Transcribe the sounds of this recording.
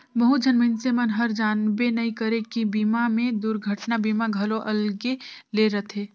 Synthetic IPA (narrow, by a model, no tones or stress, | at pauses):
bəɦud͡ʒənminsemənɦəɾd͡ʒaːnbenəikəɾekibiːmamẽd̪ʊɾɡʱəʈnabiːmaɡʱɐloʔɐlɡeleɾət̪ʰeː